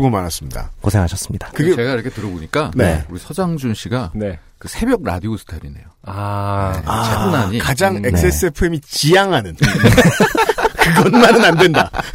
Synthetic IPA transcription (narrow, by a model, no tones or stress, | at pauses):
ɡomanɦas͈ɯmɲida̰kosʰeŋɦaɕʰʌs͈ɯmɲid̥ḁkɯɡet͡ɕeɡaiɾʌkʰetɯɾʌboɲik͈ane̞̰uɾisʰʌd͡ʑaŋd͡ʑunɕʰiɡane̞ | kɯsʰe̞bjʌɡ̚ɾa̰diosʰɯ̥tʰaɾine̞̰joa | at͡ɕebunaɲikad͡ʑaŋe̞k̚s͈e̞s͈e̞pʰuemit͡ɕijaŋɦanɯn | kɯɡʌnmanɯnandwe̞nda